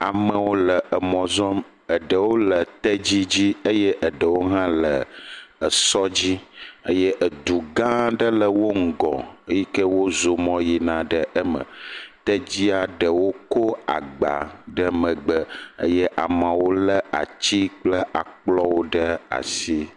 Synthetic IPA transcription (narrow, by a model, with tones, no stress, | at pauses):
a˨mə˨wo˦lə˨ʔə˨mɔ̃˨zɔ˦m | ə˨ɖə˨wo˦lə˨t̪ə˦d͡ʑi˦d͡ʑi˦ə˦je˦ʔə˨ɖə˨wo˦ɦã˦lə˨ə˨sɔ˦d͡ʑi˦ə̰˦je˦ʔə˨d̪u˨ɡã˦ɖə˦lə˨wo˦ŋ̩˨ɡɔ̰̃˨ə˦ji˦kə˦wo˦zo˨mɔ̃˦ji˨nã˨ɖə˦ʔə˦mə̰̃˨t̪ə˦d͡ʑi˦a˨ɖə˨wo˦ko˦a̰˨ɡ͡ba̰˨ɖə˦mə̃˨ɡ͡bə˦ə̰˦je˦ʔa˨mã˨wo˦lə˦a̰˨t͡ɕi˦k͡plə˦a˨k͡plɔ˦wo˦ɖə˦a̰˨si˦